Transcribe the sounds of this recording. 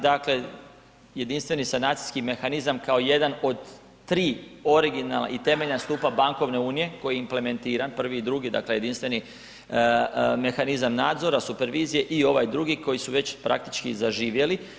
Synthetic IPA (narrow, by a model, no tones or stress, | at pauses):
d̪akle̞ | je̞d̪inst̪ʋe̞nisanaːt̪si̥skime̞xanizamkao̞je̞d̪ano̞d̪ː | ɾiːo̞ɾiɡinala̰it̪e̞me̞ʎnast̪uːpabaŋko̞ʋne̞uːnije̞ko̞jiimple̞me̞nt̪iːɾanpr̩ʋiːd̪ɾuɡid̪a̰kleje̞d̪inst̪ʋe̞ni | me̞xanizamnaːd̪zo̞ɾasupe̞ɾʋiːzije̞ʔio̞ʋajd̪ɾuɡiko̞jisuʋe̞t͡ɕpɾʔa̰k̚t̪i̥t͡ʃkizaʒiːʋje̞li